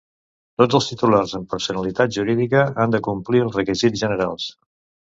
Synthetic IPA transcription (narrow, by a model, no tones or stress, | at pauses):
t̪od͡zəlˠst̪it̪ularzəmpəɾsunəlit̪at̪̚ʒuɾiðikəand̪əkumpliəlˠzrəkizizʒənəɾalˠs